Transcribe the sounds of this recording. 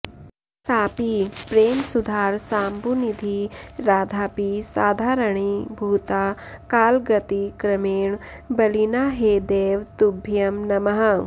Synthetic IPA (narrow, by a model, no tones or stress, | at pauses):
saːpipɾeːmsud̪ʱaːɾsaːmbunid̪ʱiɾaːd̪ʱaːpisaːd̪ʱaːɾəɳ̃ibʱuːt̪aː | kaːlɡɐt̪ikɾɐmeːɳbɐlinaːɦeːd̪eːʋt̪ubʱjɐmnɐmɐɦɐ